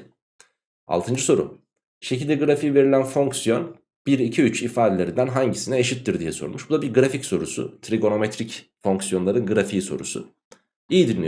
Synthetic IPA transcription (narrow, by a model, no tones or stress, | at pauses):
a̰lˠt̪ʰɯnd͡ʒɯso̞ɾṵ | ʃecʰilʲd̪ɛɡɯɾafiive̞ɾilʲænfo̞ŋksjo̞n | b̥iɾicʰiyt͡ʃifaːd̪e̞lʲe̞ɾind̪ænɦaɲɟisinɛeʃit̪ːiɾd̪ijɛsoɾṵmuʃb̥ud̪abiɾɡɯɾaficso̞ɾusʊ̰t̪ʰɾiɡo̞no̞met̪ɾicfo̞ŋksjo̞nlˠaɾɯnɡɯɾafiso̞̰ɾṵsʊ̰ | ijid̪inlːʲij